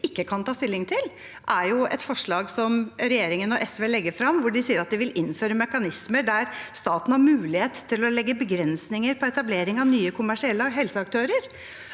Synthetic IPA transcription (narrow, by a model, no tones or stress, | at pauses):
ɪkːəkʰɑnt̪ʰɑːst̪ɪlːɪŋt̪ʰɪl | ʔæɾjʊɛ̰t̪fɔʂɭɑːɡsɔmɾɛjeːɾɪŋənɔʔɛsʋeːlɛɡːəɾfɾɑmʋʊɖɪsiːəɾɑt̪̚d̪ɪʋɪlʔɪnføːɾəmɛkɑnɪsməɖ̪æɾst̪ɑːt̪n̩hɑɾmʉːlɪheːt̪t̪ʰːɪlɔlɛɡːəbəɡɾɛnsnɪŋəɾpʰɔɛt̪ɑbleːɾɪŋɑʋnyːəkʰʊmæʂɪɛlːəɦɛlsəɑk̚t̪ʰøːɾəɾ